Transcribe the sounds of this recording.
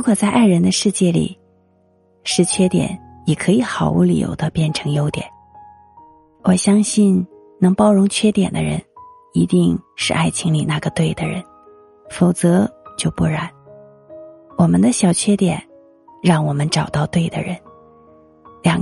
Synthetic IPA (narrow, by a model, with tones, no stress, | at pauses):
u˧˥kʰwɔ˨˩t͡sa˥˧ɪʔa˥˩ɪɻə˧˥nd̪ə˧ʂɻ̩˥˧t͡ɕjɛ˥˩lḭ˨˩ | ʂɻ̩˥˧t͡ɕʰɥɛ˥t̪jɛ̰˨˩˦n | jɛ˨˩kʰɤ˧˥i˧˥xɑ˨˩ʊwṵ˥˩lḭ˨˩jo̰˧˩˥ʊd̪ə˦pjɛ˥˩nʈ͡ʂʰɤ˧˥ŋjo˥ʊt̪jɛ̰˨˩˦n | wɔ˨˩ɕjɑ˥ŋɕi˥˩n | nɤ˧˥ŋpɑ˥ʊɻʊ˧˥ŋt͡ɕʰɥɛ˥t̪jɛ̰˨˩nd̪ə̰˦ɻə̰˧˥n | i˧˥t̪i˥˧ŋʂɻ̩˥˧ʔa˥˩ɪt͡ɕʰi˧˥ŋli˨˩na˥˩ɡə˩t̪we˥˩ɪd̪ə˩ɻə̰˧˥n | fo˨˩ʊt͡sɤ˧˥t͡ɕjo˥˧ʊpu˥˩ɻa˧˥˦n | wɔ˨˩mə˦nd̪ə˧ɕjɑ˨˩ʊt͡ɕʰɥɛ˥t̪jɛ˨˩˦n | ɻɑ˥˩ŋwɔ˨˩mə˦nʈ͡ʂɑ˨˩ʊt̪ɑ˥˧ʊt̪we˥˩ɪd̪ə̰˩ɻə̰˧˥n | ljɑ˨˩ŋ